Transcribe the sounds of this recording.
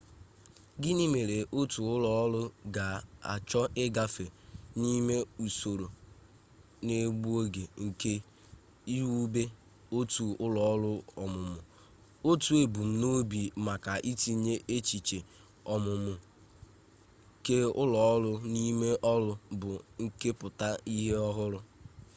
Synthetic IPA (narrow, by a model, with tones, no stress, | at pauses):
ɡɪ˦ni˦me˨ɾe˨ʔo˦tu˨ʊ˦lɔ˦ɔ˦lʊ˦ɡa˨a̰˨t͡ʃɔ˦ʔɪ˦ɡa˦fe˨ni˦me˦u˨so˨ɾo˨ | ne˦ɡ͡bu˦o˦ɡe˨ŋ̩˨ke˦ | i˦ɾu˦be˦ | o˦tu˨ʊ˦lɔ˨ɔ˦lʊ˦ɔ˨mʊ˨mʊ˨ | o˦tu˨e˨bu˨m̩˦no˦bi˨ma˨ka˨ʔi˦ti˦ɲe˦ʔe˦t͡ʃi˨t͡ʃe˨ | ɔ˨mʊ˨mʊ˨ | ke˦ʊ̰˦lɔ˨ɔ˦lʊ˦ni˦me˦ʔɔ˦lʊ˦bʊ˨ŋ̩˦ke˦pʊ˨ta˦i˦ɦe˦ɔ˦ɦʊ˦ɾʊ˦